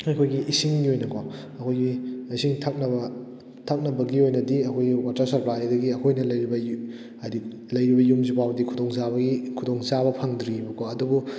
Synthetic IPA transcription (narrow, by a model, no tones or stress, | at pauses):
ɐjkʰojɡiʔisiŋɡiojnɐkʰo | ɐkʰojɡiisiŋtʰak̚nɐbɐ | tʰak̚nɐbɐɡiojnɐdiɐkʰojɡiwatɐɾsɐɾplajdɐɡiɐkʰojnɐlɐjɾibɐ | ɐdi | lɐjɾibɐjumzipʰawdikʰudoŋzaβɐɡikʰudoŋzaβɐpʰɐŋd̪ɾibɐkoɐdubu